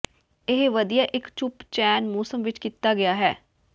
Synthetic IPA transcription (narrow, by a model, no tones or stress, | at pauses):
ɪɦʋəd̪ijaːʔɪkt͡ʃʊpt͡ʃɛːnmoːsəmʋɪt͡ʃkit̪ːaːɡɪjaːɦɛː